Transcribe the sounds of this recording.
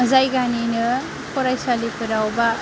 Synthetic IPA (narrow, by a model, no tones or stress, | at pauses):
zajɡaninɯ | kɔɾajsalipɯɾawba